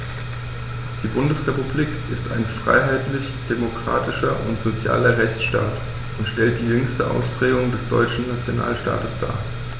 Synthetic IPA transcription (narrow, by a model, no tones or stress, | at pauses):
d̥iːbʊndəsʁepubliːkʔɪsta̰ɪnfʁ̥a̰ɪɦaɪtlɪç | d̥emokʁ̥a̰ːtɪʃɐʔʊ̰ntz̥ot͡sja̰ːlɐʁɛçt͡sʃta̰ːt | ʊntʃtɛlt̚d̥iːjʏŋstəʔa̰ʊsb̥ʁ̥ɛːɡʊŋdɛsd̥ɔʏt͡ʃn̩nat͡sjona̰ːlʃta̰ːtəsd̥a̰ː